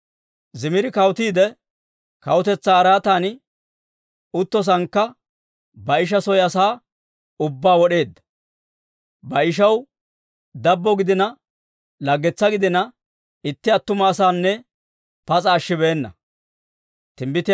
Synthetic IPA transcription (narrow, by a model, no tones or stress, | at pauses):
zɪmɪɾɪkɐwt̪iːd̪ɛ | kɐwʊt̪ɛt͡sːaːɾaːt̪aːnɪ | ʊt̪ːɔs̬ɐŋkːɐ | bɐɪʃ̬ɐsɔjɐsaː | ʊbːaːwɔɗe̞ːd̪ːɐ̥ | bɐɪʃ̬ɐw | d̪ɐbːɔɡɪd̪ɪnɐ | lɐɡːɛt͡sːɐɡɪd̪ɪnɐ | ɪt̪ːɪɐt̪ːʊmɐːsaːnːɛ | pɐt͡sʼɐːʃːɪbeːnːɐ̰ | t̪ɪmbɪt̪ɪ